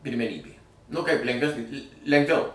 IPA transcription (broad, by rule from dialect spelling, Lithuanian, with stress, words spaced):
pʲɪrʲmʲɛˈnʲiːbʲeː nʊ kɐɪp lʲɛŋɡˈʋʲæːsʲnʲɪ lʲ lʲɛŋɡˈʋʲɛʊ